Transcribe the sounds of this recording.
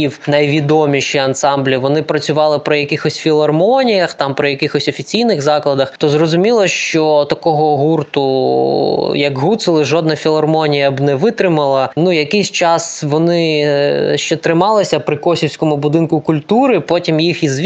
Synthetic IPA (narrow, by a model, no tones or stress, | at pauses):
iwnɐjʋʲid̪ɔmʲiʃiɐnsɑmblʲiʋɔnɪpɾɐt͡sʲʊʋɑlˠɪpɾɪjɐkɪxɔsʲfʲilˠɐrmɔnʲijɐxt̪ɑmpɾɪjɐkɪxɔsʲɔfʲit͡sʲijnɪɣzɑklˠɐd̪ɐxt̪ɔzrɔzʊmʲilˠɐʃt͡ʃɔt̪ɐkɔɦɔɦurt̪ʊ | jɐɡɦut̪sɪlˠɪʒɔd̪nɐfʲilˠɐrmɔnʲijɐbnɛʋɪt̪ɾɪmɐlˠɐnujɐkɪjsʲt͡ʃɑsʋɔnɪ | ʃt͡ʃɛt̪ɾɪmɑlˠɪsʲɐpɾɪkɔsʲiwsʲkɔmʊbʊd̪ɪnkʊkʊlʲt̪uɾɪpɔtʲimjixizʋʲ